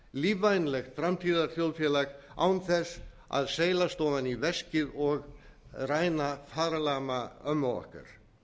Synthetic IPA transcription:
liːvajnlɛxt̪fɾamt̪ʰiːðaɾθjowlfjɛːlaɣa̰ːwnθɛs | a̰ðseːjlast̪oːvanivɛscɪðɔɣrajnafaːɾalaːmaœmːawɔ̰hka̰ɾ̥

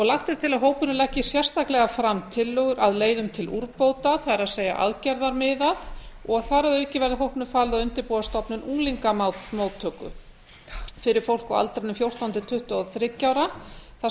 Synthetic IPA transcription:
ɔɣlaxt̪ɛɾ̥t̪ʰɪlaðɦoːwpʏnʏlɛhcːɪsjɛr̥st̪ʰaklɛɣafɾamt̪ʰɪlːœɣʏɾʔaðleːjðʏmt̪ʰɪluɾpowt̪aθaɛɾaðseːja̰ʔa̰ðcɛɾðaɾmɪðaðɔɣθaɾɛðœcːɪvɛɾðɪɦowhpnʏfaːlɪðaðʏnt̪ɪɾpuːðast̪ɔpnɪnuːliŋkamamoːwt̪ʰːœkʏ̰ | fɪɾɪɾ̥fowl̥kɔa̰lt̪ɾanʏmfjowr̥t̪awnt̪ʰɪlt̪ʰʏht̪ʏɔðθɾɪc̪awɾaθa

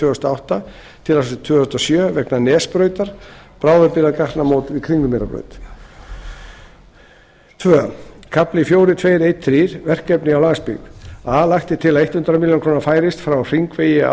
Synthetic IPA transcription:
ʏːɔst̪aawht̪a | t̪ʰɪlasɔsɪt̪ʰvʏːɔst̪ɔsjœːvɛknanɛːspɾœːɥt̪aɾ̥pɾaːwðʏɾpɪɾaðkart̪namoːwt̪vikʰɾiŋnʏmeɾapɾœ̰ɥjt̪ | t̪ʰvœːa̰kʰaplɪfjoːwɾɪt̪ʰveːjɾejt̪ʰːɾiːɾ̥vɛr̥kɛpnɪawlaːɣaspḭɣalaxt̪ɪt̪ʰɪlaðejht̪hʏnt̪ɾamiljownkʰɾoːnafaːjɾɪst̪fɾawr̥iŋkveːjɪa̰

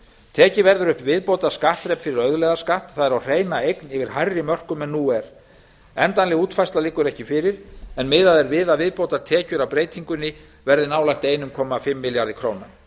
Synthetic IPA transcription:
t̪ʰɛːcɪvɛɾðʏɾʏhpvɪðpowt̪aɾ̥skaht̪ɾɛpfɪɾɪɾœðlɛɣðaskaht̪θaðɛɾawr̥eːjnaejknɪvɪɾ̥hajrːɪmœr̥kʏmɛnuːɛɾ | ɛnt̪anlɪɣuːt̪fajst̪lalɪkːʏɾɛhcɪfɪɾɪɾɛnmɪðaðɛɾvɪðavɪðpowt̪aɾt̪ʰɛːcʏɾawpɾeːjt̪iŋkʏnːɪ | vɛɾðɪnaːwlajht̪eːjnʏmkʰɔːmafɪmːɪljaɾðɪkʰɾoːwna

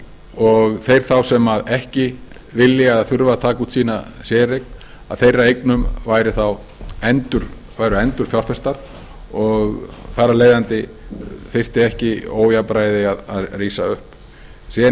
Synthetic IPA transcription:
ɔɣθejɾ̥θawsɛmaðɛhcɪ | vɪlːjɪaðθʏɾvat̪ʰaːkuːt̪siːna | sjɛːɾejk̚n̥ | a̰ðθejrːaejknʏmvajɾɪθaw | ɛnt̪ʏɾ̥ | vaːjɾʏɛnt̪ʏɾ̥fjawlfɛst̪aɾ | ɔɣθaɾːaleːjðant̪ɪ | fɪr̥t̪ɪɛhcɪoːwjapɾaːjðɪaðaðriːsaʏhp | sɛ

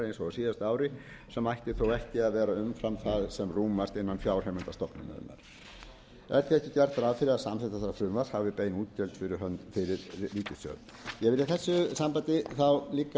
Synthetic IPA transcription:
ɾejnsɔasiːðast̪aːwɾɪ | sɛmːajht̪ɪθowɛhcɪaðvɛːɾaʏmfɾamθaðsɛmruːmast̪enːanfjaːwr̥ɛmɛnt̪ast̪ɔpnʏna̰ʏ̰mːa̰ɾ̥ | ɛɾ̥t̪ʰɪɛhcɪcɛr̥t̪aɾavfɪɾɪðaðsamsɛjt̪aθaɾafɾʏmvashavvɪpeːjnuːt̪̚cɛlt̪fɪɾɪɾɦœnt̪fɪɾɪɾ̥liːt̪ɪsœ̰ː | jɛɣvɪɾɪθɛsːʏsampat̪ɪθawliːka

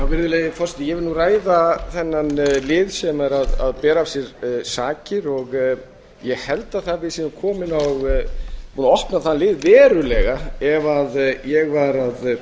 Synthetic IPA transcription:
jawvɪɾðɪleːjðɪfɔɾst̪jɛvɪɾnuraːjðaθɛnːanlɪːðsɛmaɾaðaðpɛːɾaːsjɛɾsaːcɪɾɔɣ | jɛɣhɛlt̪aðθavɪðsiːnʏmkʰɔːmɪnaɣpunaɔhpnaθanlɪːðvɛːɾʏlɛɣaɛvaðjɛɣvaɾað

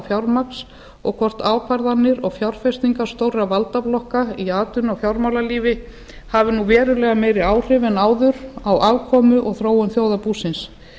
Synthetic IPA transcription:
fjawɾmaks | ɔ̰ɣkʰɔr̥t̪aːwkʰvaɾðanːɪɾɔɣfjawɾ̥fɛst̪iŋkaɾ̥st̪owravalt̪aplɔhkaiaːt̪ʏnɔɣfjawɾmawlaliːvɪ | havɪnuvɛːɾʏlɛːɣameːjɾɪaːwr̥ɪvɛnaːwðʏɾawaːvkʰɔːmʏʔɔɣθɾoːwʏnθjoːwðapuːsɪns

